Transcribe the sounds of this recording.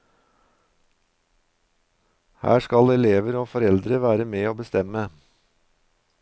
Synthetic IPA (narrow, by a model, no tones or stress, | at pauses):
hæ̰ːʃkɑlɛleːʋəɾoːfɔɾɛld̪ɾəʋæːɾəmeːoːbəst̪ɛmə